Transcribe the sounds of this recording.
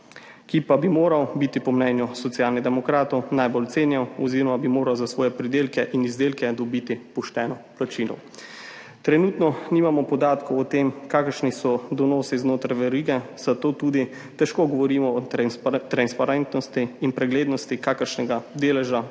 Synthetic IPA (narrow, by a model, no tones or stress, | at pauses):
kipabimoːɾawbit̪ipɔmnɛːnjusɔt̪sjaːlnid̪ɛmɔkɾaːt̪ɔwnajbɔlt̪seːnjawɔziɾɔmabimoːɾawzasʋɔːjɛpɾid̪eːlkɛʔinizd̪eːlkɛd̪ɔbit̪ipɔʃt̪ɛːnɔplat͡ʃiːlɔ̰w | t̪ɾɛnuːt̪nɔniːmamɔpɔd̪aːt̪kɔwɔt̪eːmkaːkəɾʃnisɔd̪ɔnɔːsiznoːt̪ɾajʋɛɾiɡɛz̥at̪oːt̪uːd̪i | t̪ɛʃkoːɡɔʋɔɾiːmɔːt̪ɾanspaɾɛnt̪nɔst̪iːnpɾɛɡleːd̪nɔst̪ikaːkəɾʃnɛɡad̪eːlɛʒa